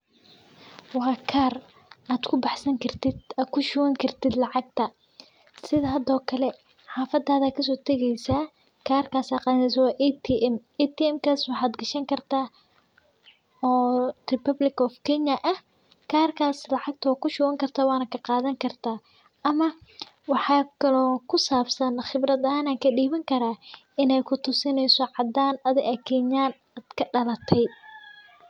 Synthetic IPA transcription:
wɑːkʰaːr | aːd̪kʰʊbɑħsɐŋkʰɐrt̪ʰɪd̪aːd̪kʰʊʃʊwɐŋkʰɐrt̪ʰɪd̪lɑʕɑɡ̚t̪ʰɐ | sɪðɐɦɐd̪ɔːkʰɐlɛ | ħɑːfɐd̪ːaːðaːkʰɐs̬ɔːt̪ʰɛɣɛjsaː | kʰaːrkʰaːsaːqɑːnɛs̬ɐwɑːʔɛt̪ʰiʔɛmɛt̪ʰiɛmkʰaːswɑħaːd̪ɡɐʃɐŋkʰɐrt̪ʰaː | ɔːrɪpɐblɪkɔfkʰɛɲɐʔɐh | kʰaːrkʰaːslɑʕɑɡ̚t̪ʰɐwːkʰʊʃʊːɣɐŋkʰɐrt̪ʰaːwɑːnɐkʰɐqɑːðɐŋkʰɐrt̪ʰaː | ɐmɐ | wɑħɑːkʰɐlɔːkʰʊsaːbsɐnχɪbrɐðɐaːnaːkʰɐɖiːβɐŋkʰɐɾaː | ɪnɛjkʰʊt̪ʰʊsɪnɛjsɔʕɑd̪aːnɐðɪʔɐkʰɛɲaːn | aːd̪̥kʰɐɖɐlɐt̪ʰɛj

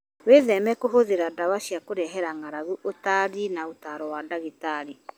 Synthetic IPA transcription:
weðɛmɛkoɦoðeɾadawaʃiakoɾɛɦɛɾaŋaɾaɣuʔotaɾinaotaɾɔwadaɣitaɾi

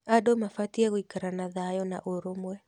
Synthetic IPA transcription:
adomafatiaɣoikaɾanaðajɔna̰ʔoɾomwɛ

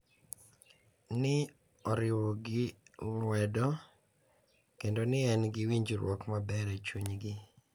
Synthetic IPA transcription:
nɪ | ɔɾɪwɔɡɪwɛdɔ | kendonɪɛnɡɪwiɲd͡ʒɾwɔkmabɛɾɛt͡ʃuɲɡɪ

